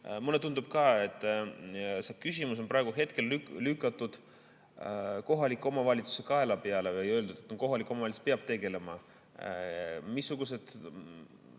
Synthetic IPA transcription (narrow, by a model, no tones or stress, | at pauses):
mulːet̪und̪̥ub̥̚kɑe̞t̪ːˑ | sekysʲimus̬o̞npɾɑˑeɡ̥uɦe̞t̪ke̞lylykːˑɑt̪ːˑud̪̥ | ko̞ɦɑlikːˑo̞mɑvɑlʲit̪su̥se̞kɑe̞lɑpeɑle̞vejøld̪ud̪̥et̪noko̞ɦɑlikːˑmɑvɑlispeɑb̥̚t̪e̞ɡe̞le̞mɑ̰ | misːuɡ̥use̞d̪̥